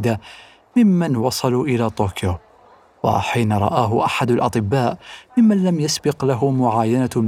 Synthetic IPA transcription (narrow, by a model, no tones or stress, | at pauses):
d̪a | mɪmːanwɑsˤɑluːʔɪlaːt̪ˤoːkjo | wa̰ħiːnaɾˤɑ̰ʔaːɦʊʔaħad̪alʔɑt̪ˤɨbːaːʔmɪmːanlamjasbɪqlaɦʊmʊʕaːjana